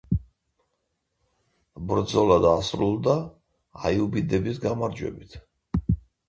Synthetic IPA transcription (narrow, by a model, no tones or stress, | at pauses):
bɾd̪zɔlad̪asɾulˠd̪a | ajubid̪ɛbisɡamaɾd͡ʒwɛ̰bit̪ʰ